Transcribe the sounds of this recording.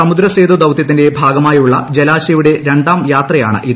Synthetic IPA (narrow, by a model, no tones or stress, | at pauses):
ɐmud̪ɾɐseːd̪ud̪ɐwt̪jɐt̪̬ːinde̞bʱaːɡɐmaːjuɭːɐd͡ʑelaːɕɐjuɽe̞ɾe̞ɳɖaːmjaːt̪rɐjaːɳɨ̰ʔið